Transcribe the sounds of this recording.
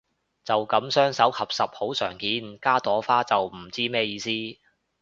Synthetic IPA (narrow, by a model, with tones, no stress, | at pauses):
t͡sɐ˨wkɐ˨˥msœː˥ŋsɐ˨˥wkhɐ˨p̚sɐ˨p̚ho˨˥wsœː˨˩ŋkiː˨nkaː˥t̪ɔː˨˥faː˥t͡sɐ˨wm̩˨˩t͡siː˥mɛː˥jiː˧siː˥